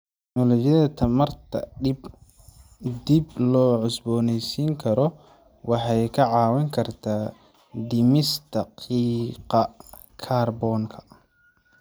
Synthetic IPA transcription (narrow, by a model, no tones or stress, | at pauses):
tt̪ʰɛɡnɔlɔt͡ʃjɐðɐt̪ʰɐmɐrt̪ʰɐ̰b | d̪ɪblɔːʕʊsbɔːnɛjsiːŋkʰɐɾɔ | wɑħɑjkʰɐʕɑːwɐŋkʰɐrt̪ʰaː | d̪ɪmɪst̪ʰɐqiːqɑ | kʰaːrbɔːŋkʰɐ̥